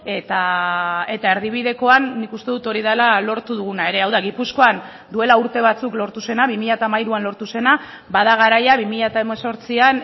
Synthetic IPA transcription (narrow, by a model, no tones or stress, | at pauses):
e̞t̪a | e̞t̪ae̞ɾðiβ̞iðe̞ko̞anːikust̪e̞ðut̪o̞ɾiðalalo̞ɾt̪uðuɣ̞unae̞ɾe̞awðaɣipusko̞an | d̪ue̞lauɾt̪e̞β̞at͡suklo̞ɾt̪use̞naβimiʎat̪aːmajɾuanlo̞ɾt̪use̞na | baðaɣ̞aɾajaβimiʎat̪aemeso̞ɾt͡sian